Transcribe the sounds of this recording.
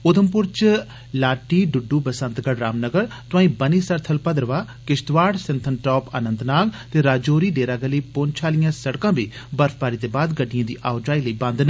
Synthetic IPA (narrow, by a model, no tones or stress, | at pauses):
ʊd̪əmpʊɾt͡ʃ | laːʈiːɖʊɖːuːpəsə̃nt̪ɡəɽɾaːmnəɡəɾt̪ʊãːĩːbəniːsəɾt̪ʰəlpəd̪ɾʋaː | kɪʃt̪ʋaːɽsɪnt̪ʰənʈɔːpə̰nə̃nt̪naːɡt̪eːɾaːd͡ʒoːɾiːɖeːɾaːɡəliːpoːnt͡ʃʰaːlɪjãːsəɽkãːbiːbəɾfʰpaːɾiːd̪eːbaːd̪ɡəɖːɪjãːd̪ḭːʔaːʊd͡ʒaːiːləiːbãnd̪n